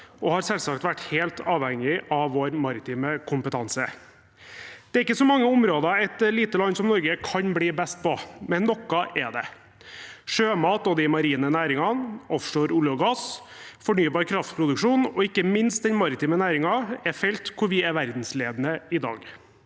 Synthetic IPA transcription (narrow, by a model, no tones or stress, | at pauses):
ɔhɑɾsɛlsɑkt̪ʋæʈːheːlt̪ʰɑːʋhɛŋːɪʔɑʋʋoːɾmɑɾɪt̪ʰiːməkʰʊmpət̪ʰɑnsə | d̪̥ɛæɾɪkːəsɔmɑŋːəʊmɾoːd̪ɑɛt̪liːt̪əlɑnːsɔmnɔɾɡəkʰɑnbliːbɛst̪̚pʰɔmɛnːɔkːɑʔɛɖ̪ɛ̰ | ʂøːmɑːt̪̚noːd̪ɪmɑɾiːnənæːɾɪŋɑnɔfʂoːɾʊlɔɡɑs | fɔɳyːbɑːɾkʰɾɑft̪pʰɾʊd̪ʉkʂuːnɔɪkːəmɪnst̪̚d̪ɛnmɑɾɪt̪iːmənæːɾɪŋɑɛfɛlt̪kʰʊɾʋɪɛɾʋæɾd̪n̩sleːd̪ənəɪd̪ɑ̰ːɡ